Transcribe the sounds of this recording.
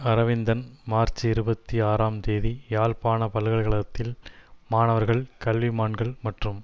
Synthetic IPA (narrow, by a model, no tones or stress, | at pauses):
ɐɾɐʋɪnd̪ɐnmaːɾt͡ʃiɪɾɯbɐt̪ːiaːɾaːmt̪eːðijaːlpaːnɐpɐlɯɣɐɭɣɐɭɐt̪ːɪlmaːnɐʋɐɾɣɐɭkɐlʋimaːɳɡɐɭmɐʈrɯm